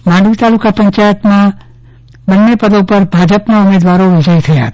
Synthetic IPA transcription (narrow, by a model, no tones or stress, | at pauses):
mãɳɖəʋit̪alukapəɲt͡ʃajət̪mã | bənːepəd̪opəɾbʱad͡ʒəpnaumed̪ʋaɾoʋɪd͡ʒəjt̪ʰəja̰ət̪